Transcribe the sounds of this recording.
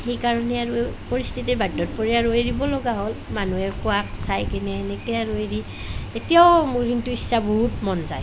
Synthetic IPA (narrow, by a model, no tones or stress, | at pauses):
xejkaɹɔnɛaɹupoɹistʰitɛbadːɔt̚pɔɹiaɹoeɹibɔlɔɡaɦolmanuɛkʊaksajkɛnɛːnɛkɛaɹueɹi | tetijaʊmuɹkintuisːabɔɦutmɔnzaj